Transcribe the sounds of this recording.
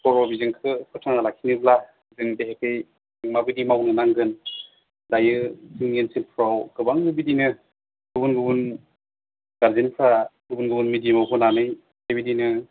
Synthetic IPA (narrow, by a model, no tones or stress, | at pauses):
kɔɾɔbizɯŋkʰɯkʰɯtʰaŋalakʰinɯbla | zɯŋdeɦekɯj | ŋmabidimawnɯnaŋɡɯn | lajɯzɯŋensilpʰɾawɡɯbaŋɯbidinɯ | ɡ̥ɯbunɡɯbun | ɡ̥aɾzinpʰaɡɯbunɡɯbɯnmidimawɦɯnanɯj | hajbidinɯ